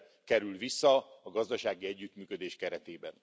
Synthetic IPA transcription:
kɛɾylvisːɒɒɡɒzd̪ɒʃaːɡiɛɟːyt̪myːkø̞d̪eːʃkɛɾɛt̪eːbɛn

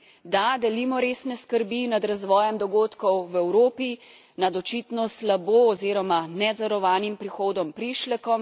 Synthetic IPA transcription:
d̪ad̪ɛliːmɔɾeːsnɛskəɾbinad̪ɾazʋɔːjɛmd̪ɔɡoːt̪kɔwwɛwɾoːpi | nad̪ɔt͡ʃit̪nɔslaboːɔziːɾɔmanɛd̪zɐɾɔʋaːnimpɾixoːd̪ɔmpɾiːʃlɛkɔm

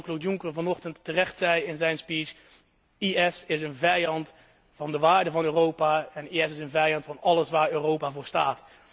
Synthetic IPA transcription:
klotjʊŋkəɹvɑnɔχtəntːərɛχtsɛjɪnzɛjnspiːt͡ʃ | iɛsɪsənvɛjɑnt | fɑndəʋaːɹdəvɑnøːrowpaɛniɛsɪsənvɛjɑntfɑnɑləsʋaːɹøːrowpavʊːɹsta̰ːt

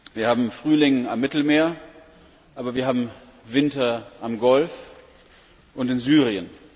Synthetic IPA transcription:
viːɐhaːbm̩fʁ̥yːlɪŋamːɪtl̩meːɐ | ʔaːbɐviːɐɦhaːbm̩ | vɪntɐʔamɡɔlf | ʔʊntɪnzyːʁiən

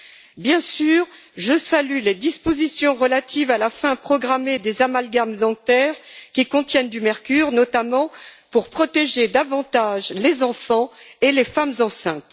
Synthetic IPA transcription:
bjɛ̃syːʁ | ʒəsalyled̪ispozisjɔ̃ʁəlat̪ʰivalafɛ̃pχɔɡʁamed̪ezamalɡamd̪ɑ̃t̪ɛʁkʲikɔ̃t̪jɛnd̪ymɛʁkʲyʁnɔt̪amɑ̃puʁpχɔt̪eʒed̪avɑ̃t̪aʒlezɑ̃fɑ̃elefamzɑ̃sɛ̃t̪

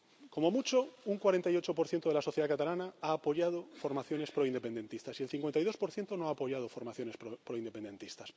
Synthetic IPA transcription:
ko̞mo̞mut͡ʃo̞uŋkwaɾe̞nt̪ajo̞t͡ʃopoɾθjet̪oelaso̞θjeakat̪alanaaːpo̞ʝað̞ofo̞ɾmaθjo̞ne̞spɾoind̪epe̞nd̪e̞nt̪ist̪asielθiŋkwent̪ajðo̞spo̞ɾθje̞nt̪onoaːpo̞ʝað̞ofoɾmaθjo̞ne̞spɾopɾoind̪e̞pe̞nd̪ẽ̞nt̪ist̪as

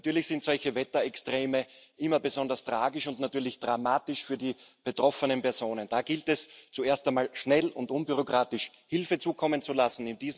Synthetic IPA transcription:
tyːɐlɪçsɪntz̥ɔlçəvɛtɐɛkstʁ̥eːməʔɪmɐbəzɔndɐstʁ̥aːɡɪʃʊntnatyːɐlɪçd̥ʁamaːtɪʃfyːɐdiːb̥etʁ̥ɔfənənpɛɐz̥oːnənd̥aːɡ̥ɪltɛst͡sueːɐstaɪnmaːlʃnɛlʊ̰ntʔʊnbyʁokʁ̥aːtɪʃ | hɪlfət͡suːkʰɔmənt͡sulasn̩ɪnd̥iːz

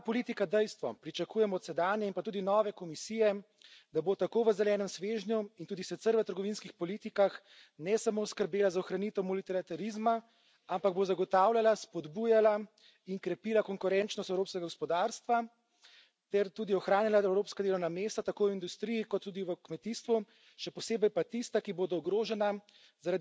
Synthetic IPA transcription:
pɔliːt̪ikad̪ɛjst̪ʋɔpɾit͡ʃakuːjɛmɔːt̪sɛd̪aːnjɛinpat̪uːd̪inɔːʋɛkɔmisiːjɛ | d̪abot̪akoːʋəzɛlɛːnəmsʋeʒnjuint̪uːd̪isɛt̪səɾʋət̪əɾɡɔʋinskixpɔlit̪ikax | nɛsamoːskəɾbeːlazaɔxɾanit̪əwmɔlit̪ɛɾat̪aɾizma | ampaɡ̚bozaɡɔt̪aːwlʲjalaspɔd̪bujala | iŋkɾɛpiːlakɔŋkuɾɛnt͡ʃnɔst̪ɛwɾoːpskɛɡaɡɔspɔd̪aɾst̪ʋa | t̪ɛɾt̪uːd̪iɔxɾaːnilaɛwɾoːpskad̪eːlɔwnameːst̪at̪akoːind̪ust̪ɾijikɔt̪ːuːd̪iʋəkmɛt̪iːst̪ʋu | ʃɛpɔseːbɛjpat̪ist̪akiboːd̪ɔɔɡɾoːʒɛna | zaɾad̪

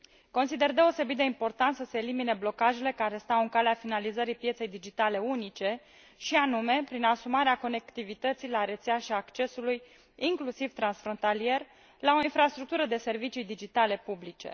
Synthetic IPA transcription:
ko̞nsid̪e̞rd̪e̞o̞se̞bit̪̚d̪e̞impo̞rt̪ant̪səse̞ːlimine̞blo̞kaʒele̞kaɾe̞st̪awɨŋkaleafinalizəɾipje̞t̪se̞jd̪id͡ʒit̪ale̞unit͡ʃe̞ | ʃianume̞pɾinasumaɾeako̞ne̞kt̪ivit̪ət̪sijlaɾet̪seaʃiaːkt͡ʃe̞suluj | iŋklusivt̪ɾansfɾo̞nt̪alije̞r | lao̞infɾast̪ɾuk̚t̪uɾəd̪e̞se̞rvit͡ʃijd̪id͡ʒit̪ale̞publit͡ʃe̞̰

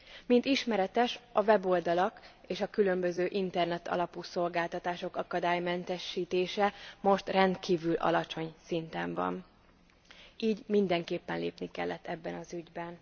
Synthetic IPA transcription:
mint̪iʃmɛɾɛt̪ɛʃɒvɛbo̞ld̪ɒlɒkeːʃɒkylø̞mbø̞zøːʔint̪ɛrnɛt̪ʰɒ̰lɒpuːso̞lɡaːlt̪ɒt̪aːʃo̞kɒkɒd̪aːjmɛnt̪ɛʃːiːt̪eːʃɛmo̞ʃt̪rɛnt̪kiːvylʔɒ̰lɒt͡ʃo̞ɲsint̪ɛɱvɒ̰n | iːɟmind̪ɛŋkeːpːɛnlḛːpnikɛ̰lːɛt̪ːɛbːɛnɒzyɟbɛn

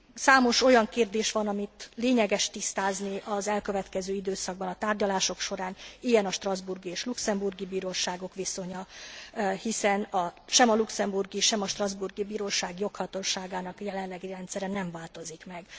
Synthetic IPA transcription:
saːmo̞ʃo̞jɒŋkeːrd̪eːʃʋɒnɒmit̪leːɲɛɡɛʃt̪ist̪aːzniʔɒzɛlkø̞vɛt̪kɛzøːid̪øːsɒɡ̚bɒnɒt̪aːrɟɒlaːʃo̞kʃo̞ɾaːnijɛnɒʃt̪rɒzburɡieːʃluksɛmburɡibiːɾoːʃaːɡo̞kʋiso̞ɲɒ | hisɛnɒʃɛmɒluksɛmburɡiʃɛmɒʃt̪rɒzburɡibiːɾoːʃaːɡjo̞khɒt̪oʃaːɡaːnɒkjɛlɛnlɛɡirɛnt̪sɛɾɛnɛɱvaːlt̪o̞zikmɛɡ

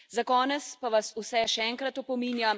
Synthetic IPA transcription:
zakɔːnɛt̪spaʋasusɛʃɛɛŋkɾat̪ɔpɔmiːnjam

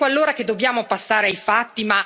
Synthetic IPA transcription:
alːoːɾak̟ed̪ːobjaːmopasːaːɾeajfat̪ːima

